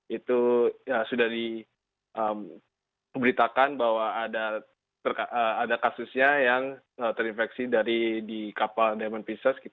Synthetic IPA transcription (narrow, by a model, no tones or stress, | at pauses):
it̪uəsudahdi | ʔəm | bəɾit̪akanbahwaːda | t̪ərkaʔəadakasusɲajaŋ | ət̪əɾinfɛksidaɾidikapaldamanpisaskit